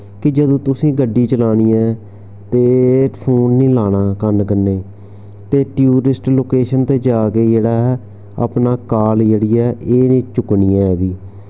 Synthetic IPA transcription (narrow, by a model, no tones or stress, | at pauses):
kɪd͡ʒəd̪õːt̪ʊsĩːɡəɖːiːt͡ʃəlaːɽiːɛː | t̪eːpʰoːnːĩːlaːɽ̃aːkəɾnkənːeː | t̪eːʈjuːɾɪsʈloːkeːʃənt̪eːd͡ʒaːkeːd͡ʒeːɽaːɦɛ | a̰pnaːkaːld͡ʒeːɽiːɛːʔeːnẽːt͡ʃʊkniːɛːɛːbiː